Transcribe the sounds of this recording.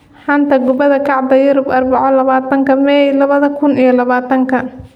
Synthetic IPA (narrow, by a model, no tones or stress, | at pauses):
ħɑnt̪ʰɐɡʊbɐðɐkʰɑʕd̪ɐjʊɾʊbʔɐrbɑʕɔlɐβaːt̪ʰɐŋkʰɐmɛjlɐβɐðɐkʰʊnijɔlɐβaːt̪ʰɐŋkʰɐ